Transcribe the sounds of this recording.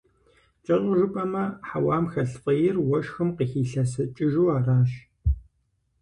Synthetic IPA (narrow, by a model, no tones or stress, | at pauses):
t͡ʃʼɐɮʷʼʊʒʊpʼɐmɐħawaːmxɐɬqʼɐjɪrwɔʃxɨmqiːxiːɬɐs̬ɨt͡ʃʼɪʒuːaːraːʃ